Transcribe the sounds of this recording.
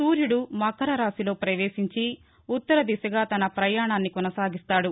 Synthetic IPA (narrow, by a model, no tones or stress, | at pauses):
suːɾjuɽumɐkɐɾɐɾaːsilo̞ːpɾɐʋe̞ːʂiɲt͡ʃi | ut̪ːɐɾɐd̪isɐɡaːt̪ɐnɐpɾɐjaːɳaːnːikɔnɐsaːɡist̪aːɽu